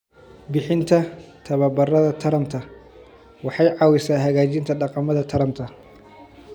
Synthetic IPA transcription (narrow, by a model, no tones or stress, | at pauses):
bɪħɪnt̪ʰɐt̪ʰɐβɐbɐrɐðɐt̪ʰɐɾɐnt̪ʰɐ | wɑħɑjʕɑwɪsaːɦɐɣaːt͡ʃɪnt̪ʰɐɖɑqɑmɐðɐt̪ʰɐɾɐnt̪ʰɐ